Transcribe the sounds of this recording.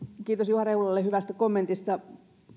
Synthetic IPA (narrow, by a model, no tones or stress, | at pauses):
kiːt̪osjuhɑreulɑlːehyʋæst̪ækomːent̪ist̪ɑ